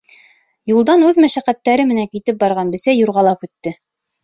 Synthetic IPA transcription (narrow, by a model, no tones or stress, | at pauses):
julˠd̪ɑnʉðmæʃæqæt̪ːæɾɘmɘ̆næŋkit̪ɘp̚bɑɾʁɑnbɘ̆sæjuɾʁɑlˠɑpʉt̪ːɘ